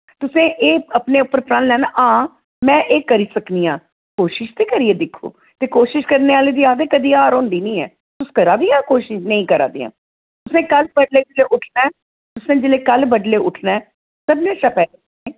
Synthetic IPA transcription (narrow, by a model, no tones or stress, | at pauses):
t̪ʊsẽːʔeːəpneːʊpːəɾpɾãːnlɛːnaːʔãː | mɛ̃ːʔeːkəɾiːsəkniːãː | koːʃɪʃt̪iːkəɾiːeːd̪ɪkʰːo̰ː | t̪eːkoːʃɪʃkəɾneːaːleːd̪iːaːd̪eːkəd̪iːaːɾõːnd̪iːnĩːɛ̰ː | t̪ʊskəɾaːd̪iːãːkoːʃɪʃnəĩːkəɾa̰ːd̪ḭːã̰ː | t̪ʊsẽːkəlbəɖleːd͡ʒɪleːʔʊʈʰnɛː | t̪ʊsẽːd͡ʒɪleːkəlbəɖleːʊʈʰnɛː | səbnẽːʃəpɛː | eː